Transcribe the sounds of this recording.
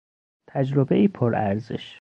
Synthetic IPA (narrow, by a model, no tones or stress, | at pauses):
t̪ʰæd͡ʒɾobeiːpʰoɾæɾzḛʃ